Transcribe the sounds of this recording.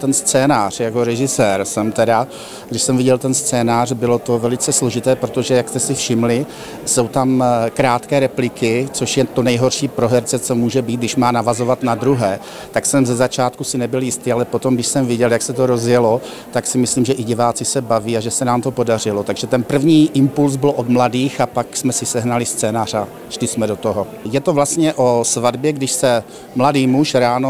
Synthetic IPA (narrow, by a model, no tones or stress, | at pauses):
t̪ɛnst͡sɛːnaːr̝̥jako̞ɾɛʒɪsɛːɾsɛmt̪ɛda | ɡdɪʃsɛmvɪɟɛlt̪ɛnst͡sɛːnaːr̝bɪlo̞t̪o̞vɛlɪt͡sɛslo̞ʒɪt̪ɛːpɾot̪o̞ʒɛjakst̪ɛsɪfʃɪmlɪ | so̞wt̪amkɾaːt̪kɛːɾɛplɪkɪt͡so̞ʃjɛt̪o̞nɛjɦo̞rʃiːpɾoɦɛɾt͡sɛt͡so̞muːʒɛbiːt̪ɡdɪʃmaːnavazo̞vat̪nad̪ɾuɦɛː | t̪aksɛmzɛzat͡ʃaːt̪kusɪnɛbɪljɪst̪iːalɛpo̞t̪o̞mɡdɪʃsɛmvjɪɟɛljaksɛt̪oɾo̞zjɛlo̞ | t̪aksɪmɪsliːmʒɛʔɪɟɪvaːt͡sɪsɛbaviːaʒɛsɛnaːmt̪o̞po̞dar̝ɪlot̪aɡʒɛt̪ɛnpr̩vɲiːʔɪmpulz̬bɪlʔo̞d̪mladiːxapaksmɛsɪsɛɦnalɪst͡sɛːnaːr̝a | ʃlɪsmɛdo̞t̪oɦo̞ | jɛt̪ovlast̪ɲɛʔosvadbjɛɡdɪʃsɛ | mladiːmuʃɾaːno